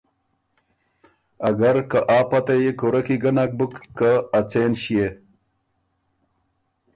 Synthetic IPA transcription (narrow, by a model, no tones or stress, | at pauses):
ɐɡɐɾkaʔaːpat̪ajikuɾɐkiɡɐnak̚bukːəːt͡seːnɕije